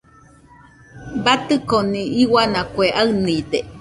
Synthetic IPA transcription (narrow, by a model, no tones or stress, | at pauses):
bat̪ɨkoniiwanakʷeʔaɨniid̪e